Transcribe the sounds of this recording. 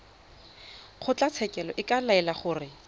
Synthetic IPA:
χʰʊt͡ɬat͡sʰɛkʼɛlɔʔɪkalaɛlaχʊːrɪ

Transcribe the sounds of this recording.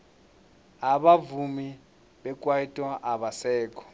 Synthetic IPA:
aɓavumi | ɓɛk̬ʼwaitʼɔʔaɓasɛːkʰʼɔ̥

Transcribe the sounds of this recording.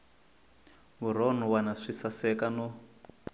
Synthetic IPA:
βuɾɔn̤uwanaʂisasɛkanɔ

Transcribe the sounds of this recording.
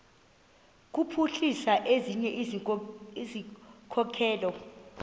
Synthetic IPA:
k̬upʰuɬisaʔeziɲɛʔ | izikʰɔkʰɛːlɔ

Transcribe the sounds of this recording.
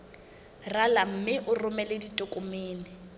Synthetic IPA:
ralam̩mɪʔʊrʊmɛleditʼʊkʼʊmeːnɪ

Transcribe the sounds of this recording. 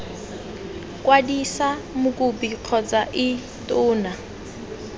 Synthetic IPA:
kwadisamʊkʼʊbiq͡χʰɔd͡zaʔɪ | tʼʊːna

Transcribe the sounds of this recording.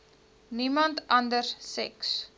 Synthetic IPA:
nimɐntɐndərsɛks

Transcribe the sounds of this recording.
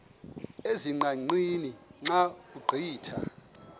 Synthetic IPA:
eziŋ͡ǃaŋ͡ǀiniŋ͡ǁauɡ͡ǃʱiːtʰa̰

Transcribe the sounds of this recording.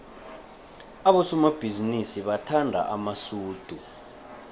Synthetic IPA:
aɓɔsɔmab̥ʱizinisiɓatʰandʱa̰ʔamasuːd̥ʱu

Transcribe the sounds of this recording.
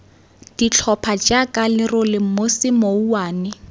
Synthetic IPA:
d̥it͡ɬʰɔpʰad͡ʒakʼalɪrʊlɪm̩mosɪmouwaːnɪ

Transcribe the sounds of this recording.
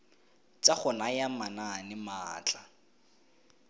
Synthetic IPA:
t͡saχʊnajamananɪmaːt͡ɬʼa

